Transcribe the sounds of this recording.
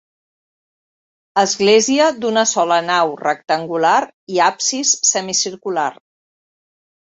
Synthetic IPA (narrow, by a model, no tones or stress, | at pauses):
əzɣleziəd̪unəsɔlənawrək̚t̪əŋɡulaɾ | iapsisːəmisiɾkular